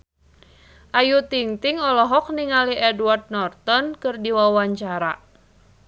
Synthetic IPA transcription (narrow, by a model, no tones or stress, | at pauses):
ʔajut̪iŋt̪iŋɔlɔɦɔk̚niŋaliʔɛdward̚nɔrt̪ɔnkɨrdiwawaɲt͡ʃaɾa